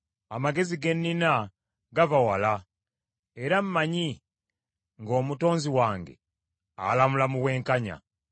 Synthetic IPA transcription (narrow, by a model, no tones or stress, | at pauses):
amaɡe̞ziɡe̞nːina | ɡavawala | eɾam̩maɲi | ŋɡo̞ːmuto̞ːnziwaːŋɡe̞̰ | a̰lamulamuwe̞ːŋkaɲa̰